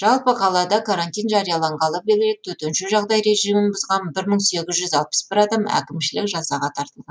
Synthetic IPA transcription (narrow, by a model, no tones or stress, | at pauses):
ʒ̥ɑlˠpəqʰɑlˠɑd̪ɑkʰaɾant̪ijnʒɑɾijɑlˠɑɴʁɑlˠəq̚belɡʲɪlek̪̚t̪ʰɵt̪enʃɪʒɑʁd̪ɑjɾe̞ʒijmɪnbʊzʁɑnbɪɾməɴse̞ɡʲɪzʒʏzɑlˠpə̥sbɪɾɑd̪ɑmæ̰kʲɪmʃɪlɪkʒɑsɑʁɑt̪ʰɑɾt̪əlˠʁɑ